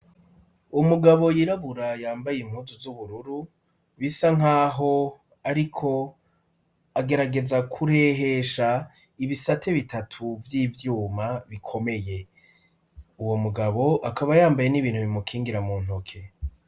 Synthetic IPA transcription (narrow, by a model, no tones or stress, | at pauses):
umuɡaβo̞jiɾaβuɾajaːmbajem̥huzuzuβuɾuɾu | βisaŋɦaːɦo̞ | aɾikʰo̞ | aɡe̞ɾaɡe̞zakʰuɾe̞ɦe̞ʃa | iβisatʰe̞βitʰatʰuvjiːvjuːmaβikʰo̞me̞je̞ | uwo̞muɡaβo̞ʔakaβajaːmbaje̞niβiːn̥huβimukʰiːŋɡiɾamuːn̥ukʰe